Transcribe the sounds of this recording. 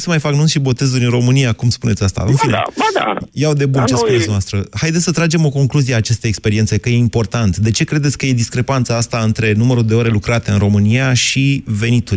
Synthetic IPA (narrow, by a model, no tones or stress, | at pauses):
səmajfaknunsʃibo̞t̪e̞zuɾʲɨnro̞mɨniakumspune̞t̪sʲast̪a̰ɨ̰nfinḛa̰jawd̪e̞bunt͡ʃeskuntsnast̪ɾəhajd̪et̪ʲsət̪ɾad͡ʒe̞mo̞ko̞ŋkluzieat͡ʃe̞st̪eekspe̞ɾie̞nt̪sejkəjeimpo̞rt̪ant̪d̪e̞t͡ʃe̞kɾe̞d̪et̪sʲkəje̞d̪iskɾe̞pant̪saast̪aɨnt̪ɾe̞numəɾuld̪e̞o̞ɾe̞lukɾat̪eɨnɾo̞mɨnijaʃive̞nit̪uɾʲ